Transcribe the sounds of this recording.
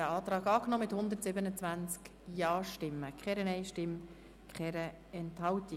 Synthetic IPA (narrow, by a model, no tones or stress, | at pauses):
əɑːt̪rɑːɡɑːknɔmɪthʊnd̪ətsɪbənət͡svænt͡sk | jɑːʃtɪmːəkʰχɛɾənɛɪʃtɪm | kχɛɾə | ɛnthɑwti